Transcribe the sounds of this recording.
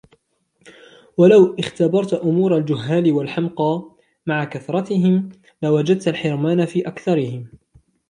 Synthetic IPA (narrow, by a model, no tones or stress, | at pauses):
walawʔɪxt̪abɑɾˤt̪ʔʊmuːɾˤald͡ʒʊɦːaːlɪwalħamqɑː | maʕakaθɾˤɑt̪ɪɦɪm | lawad͡ʒad̪̚t̪alħɪɾmaːnafiːʔakθɑɾɪhɪm